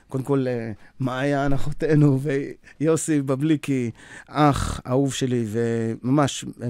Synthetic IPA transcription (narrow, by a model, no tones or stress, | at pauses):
kod̪emko̞lmaːjaːnaχot̪e̞nuvejosibablikiaχa̰uvʃe̞livemamaʃ